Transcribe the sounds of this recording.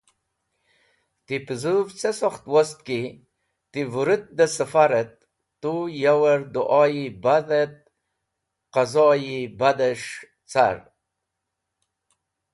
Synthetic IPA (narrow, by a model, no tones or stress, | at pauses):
t̪ipəzuvt͡sesoχt̪wost̪̚ki | t̪ivuɾɨt̪̚d̪əsəfaɾet̪̚ː | ujawəɾd̪uʔɑːjibaðet̪̚ | qazɑːjibad̪eʂ | t͡sa̰ɾ